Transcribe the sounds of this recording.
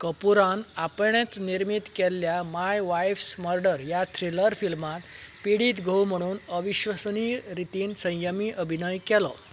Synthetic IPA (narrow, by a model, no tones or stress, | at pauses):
kəpuɾanapɳet͡sniɾmit̪kɛlːjamajʋajfsməɾɖəɾjat̪ʰɾiləɾfilmat̪piɽiːt̪ɡʱəwm̤əɽ̃uːnəʋiɕʋəsniːɾit̪iːnsə̃j̃jəmiːʔəbʱinəjkɛlɔ̰